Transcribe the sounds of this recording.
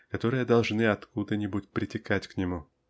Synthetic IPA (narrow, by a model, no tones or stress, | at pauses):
kɐt̪o̞ɾɨjəd̪ɐlˠʐnɨɐt̪kud̪ənʲɪbutʲpɾʲɪtʲɪkatʲknʲɪmu